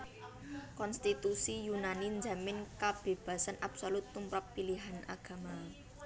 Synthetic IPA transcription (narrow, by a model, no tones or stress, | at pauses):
kɔnst̪it̪usijunanind͡ʒa̤mɪnkab̥e̤b̥ä̤sanʔab̥solut̪ːumpɾapːiliɦana̰ɡ̥a̤ma